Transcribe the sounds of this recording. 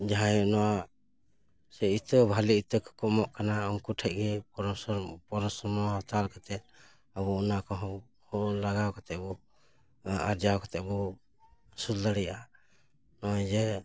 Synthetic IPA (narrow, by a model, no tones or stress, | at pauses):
d͡ʒaɦajɔnɔwa | sɛit̪əbʱaliit̪əkkɔmɔʔkanaɔmkuʈʰɛc̚ɡɛpɔɾɔspɔɾɔsɔɾmɔɔt̪alkat̪ɛt̪ | abɔunakɔɦɔ | hɔlaɡawkat̪ɛʔbɔ | aɾd͡ʒawkat̪ɛbɔ | suld̪aɽɛjʔa | nɔajd͡ʒɛ